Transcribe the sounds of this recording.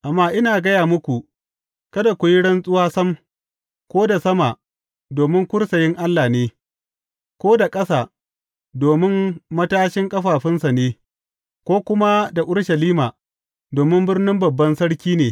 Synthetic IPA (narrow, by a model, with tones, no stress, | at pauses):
ʔa˨mːaː˦ʔɪ˦naː˨ɡɐ˦jaː˨mʊ˦kʷu˨ | kɐ˦da˨kʷu˨ji˦ɽɐ˦nsʼʊ˦waː˦sɐ˦m | kʷoː˦da˨sɐ˦maː˨ | doː˨mɪ˦ŋkʷʊ˦ɽsɐ˨jɪ˦ŋʔa˦lːaː˨neː˦ | kʷoː˦da˨kʼɐ˦saː˨ | doː˨mɪ˦mmɐ˦taː˦ʃɪ˦ŋkʼɐ˦ɸaː˨ɸɪ˦nsa˨neː˦ | kʷoː˦kʷʊ˦ma˦da˨ʔʊ˦ɽʃɐ˨liː˦maː˨ | doː˨mɪ˦mbɪ˦rnɪ˦mbɐ˨bːɐ˦nsɐ˦ɽkʲiː˦neː˨